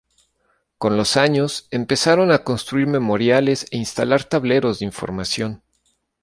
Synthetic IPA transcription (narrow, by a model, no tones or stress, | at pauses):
ko̞nlo̞saɲo̞se̞mpe̞saɾo̞nako̞nst̪ɾuiɾmẽ̞mo̞ɾjale̞se̞inst̪alaɾt̪aβle̞ɾo̞zðeiɱfo̞̰ɾmasjo̞n